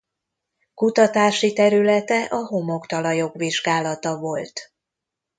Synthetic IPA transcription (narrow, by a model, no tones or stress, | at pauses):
kut̪ɒt̪aːʃit̪ɛɾylɛt̪ɛʔɒɦo̞mo̞kt̪ɒlɒjo̞ɡʋiʒɡaːlɒt̪ɒvo̞lt̪